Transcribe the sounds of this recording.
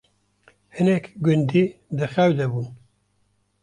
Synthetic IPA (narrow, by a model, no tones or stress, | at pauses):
hɨnɛkɡʊnd̪id̪ɨxɛwd̪ɛbuːn